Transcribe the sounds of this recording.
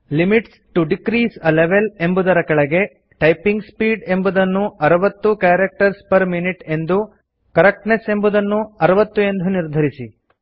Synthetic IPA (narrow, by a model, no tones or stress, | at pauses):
limiʈsʈuɖikɾiːsɐleʋele̞mbud̪ɐɾɐkɐɭɐɡe̞ | ʈɐjpiŋɡspiːɖe̞mbud̪ɐnːuɐɾɐʋɐt̪ːukaːɾɐk̚ʈɐɾspɐɾminiʈe̞nd̪u | kɐɾɐk̚ʈnese̞mbud̪ɐnːuɐɾɐʋɐt̪ːue̞nd̪ʱuniɾd̪ʱɐɾisḭ